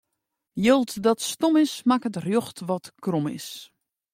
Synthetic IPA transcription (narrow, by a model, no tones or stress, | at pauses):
jolˠtdɔtstomɪsmakətrjoxtʋɔtkromɪ̰s